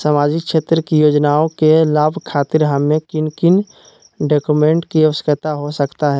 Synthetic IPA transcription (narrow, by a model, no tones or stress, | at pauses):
səmaːd͡ʒɪkʃeːt̪ɾəkijoːd͡ʒnaõkelaːbʱkʰaːt̪ɪɾɦamːẽkɪnkɪn | ɖoːkumẽɳʈkiəʋəʃkət̪aɦosəkt̪aɦɛː